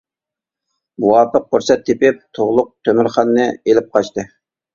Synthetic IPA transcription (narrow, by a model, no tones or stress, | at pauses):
muwɑːpʰəq̚ːuɾsɛt̪ʰːepɪp̚t̪ʰoʁlˠʊq̚t̪ʰømɪɾχɑnːɨelɪp̚qʰɑt͡ʃt̪ɨ